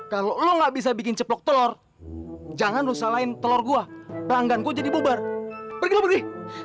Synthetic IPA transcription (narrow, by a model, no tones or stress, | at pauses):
kaloloŋɡaʔbis̬abikɪnt͡ʃəplɔk̚t̪əlɔr | d͡ʒaŋanrusalaɪnt̪əlɔrɡuapəlaŋɡankud͡ʒadibubarbərɡilobərɡɪ